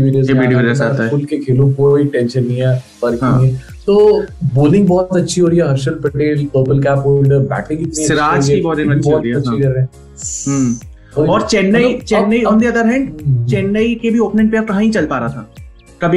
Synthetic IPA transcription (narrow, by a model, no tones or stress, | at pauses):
iʋeːɖiozeeɖiʋeɾisat̪aʊlkekʰeːlũkoiʈɛ̃ːnʃənːĩɛ | ɐɾkɦĩɛ̃ | t̪oːboːlɪ̃ŋɡbɔːt̪ɐtːʃʰiɦoːɾiɛɦɐɾʃəlpɾɐʈeːlpəɾpəlkæːpɦoːlɖbɛ̰ːʈɾikɪt̪sniɐt͡ʃɪɾaːɦd͡ʒibɔːlɪ̃bɔːɐt͡ʃikɐɾeɛ̃ | ɦ | oːɔːɾt͡ʃɛnːəit͡ʃɛ̃nːəiɔ̃nd̪iɐd̪əɾɦɛ̃ːɳɖt͡ʃɛːnːəikebʱioːpnɪ̃ɳʈpeɐɾkɐɦãɦĩt͡ʃɐlpaːɾat̪ʰaː | kɐbʱi